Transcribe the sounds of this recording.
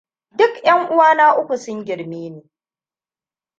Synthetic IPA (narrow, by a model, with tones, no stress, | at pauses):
dʊ˦kjɐ˦ŋʔʊ˦waː˦naː˦ʔʊ˦kʷu˨sʊ˦ŋɡʲɪ˨ɽmeː˦neː˨